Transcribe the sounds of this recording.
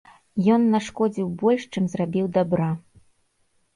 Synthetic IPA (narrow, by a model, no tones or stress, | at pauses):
jɔnːaʂkɔd͡zʲiwbɔlʲʂt͡ʂɨmzrabʲiwd̪abɾa